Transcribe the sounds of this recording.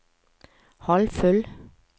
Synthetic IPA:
hɑlfʉl

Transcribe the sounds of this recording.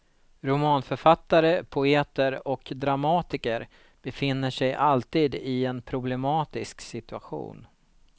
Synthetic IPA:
ɾʊmɑːnfœɾfat̪ːaɾəpʰʊeːt̪əɾɔkd̪ɾamɑːt̪ɪkəɾ | b̥ɛfɪnːəʂɛjʔalt̪iːd̪ɪɛnpʰɾʊblɛmɑːt̪ɪsksɪt̪ɵaɧṵːn

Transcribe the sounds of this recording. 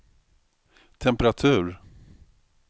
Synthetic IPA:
t̪ʰɛmpɛɾat̪ʰʉ̟ːɾ

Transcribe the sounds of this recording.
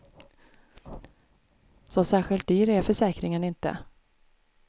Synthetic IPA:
sɔsæːɾɧɪlt̪̚d̪yːɾæɾfœʂɛːkɾɪŋənɪnt̪ə̰

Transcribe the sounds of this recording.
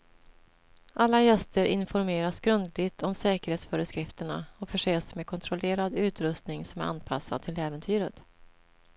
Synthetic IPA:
ʔalːajɛst̪əɾʔɪnfɔɾmeːɾasɡɾɵnd̪lɪɡt̪ʰɔmsɛːkəɾheːt̪sfœɾəskɾɪft̪əɳaɔfœʂeːsmɛkʰɔnt̪ʰɾɔleːɾad̪ʉ̟ːt̪ɾɵst̪nɪŋsɔmæɾa̰nːpʰa̰sːa̰d̪̚t̪ʰɪlɛːvənt̪ʰyːɾət̪

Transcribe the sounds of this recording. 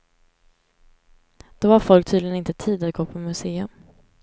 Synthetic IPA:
d̪̥ovaɾfɔlk̚t̪ʰyːd̪lɪənɪnt̪ət̪ʰiːd̪at̪̚ɡoːpʰɔmɵseːɵm

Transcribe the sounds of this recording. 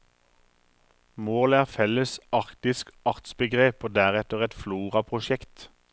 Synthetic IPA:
moːlæːʁfɛləsɑʁkt̪ɪskɑʁt̪sbəɡʁeːpoːd̪æːʁɛt̪əʁɛt̪fluːʁɑpʰʁʊʃɛkt̪

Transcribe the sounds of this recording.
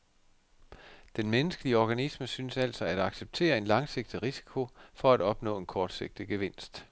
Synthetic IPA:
d̥enmenəsɡ̥əliəɒɡ̥ænisməsyːnsæl̰sɒæd̥ɑ̈ɡ̥seb̥̚t͡sʰe̝̰ːɐe̝nlɑ̈ŋse̝ɡ̥̚d̥iʁisi̥kʰo̝fɒ̽æɾ̥ɒ̽b̥nɔ̰ːe̝nkʰɒːd̥se̝ɡ̥̚d̥iɡ̥e̝ʋe̝n̰sd̥

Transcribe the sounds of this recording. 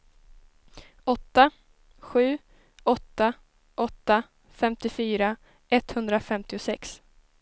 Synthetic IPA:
ɔt̪ːa | ɧʉ̟ː | ɔt̪ːa | ʔɔt̪ːa | fɛmt̪ɪfyːɾa | ʔɛt̪hɵnd̪ɾafɛmt̪ɪʊsɛks

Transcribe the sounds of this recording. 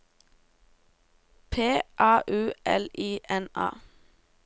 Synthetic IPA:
pʰeːʔɑːʔʉːʔɛ̰liːʔɛnɑ̰ː

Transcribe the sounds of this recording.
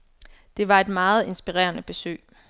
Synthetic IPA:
d̥e̝ʋɑ̈e̝d̥mɑ̈ːð̞̩ˠe̝nsb̥iʁɛ̰ːɐnəb̥e̝sø̰ː

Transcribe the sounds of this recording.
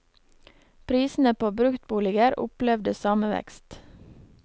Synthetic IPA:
pʰɾiːsn̩əpʰoːbɾʉkt̪̚buːlɪɡəɾʊ̰plɛʋd̪əsɑːməʋɛ̰kst̪

